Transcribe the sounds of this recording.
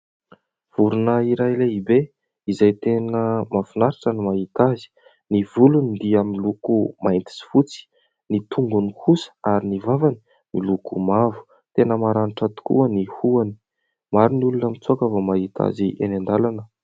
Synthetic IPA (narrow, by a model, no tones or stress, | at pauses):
v̥uɾunəiɾajleibe | izajt̪enəmafunaɾiʈ͡ʂənimaɦit̪azi̥ | nivulunid̪iaminlukumaint̪i̥si̥fut͡si̥ | nit̪ʰuŋɡunikusə̥aɾinivavani | milukumavu̥ | t̪enəmaɾaniʈ͡ʂat̪u̥kṵənihuani̥ | maɾinulunəmit͡suakəvamaɦit̪ʰa̰ziʔenand̪alanə